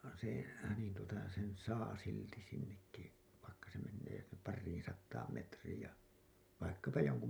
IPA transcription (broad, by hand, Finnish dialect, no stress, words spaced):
se niːn tuotɑ sen sɑː silti sinːekːi ʋɑikːɑ se menːeː pɑrːiːĩ sɑtːɑːm metriːj jɑ ʋɑikːɑpɑ joŋku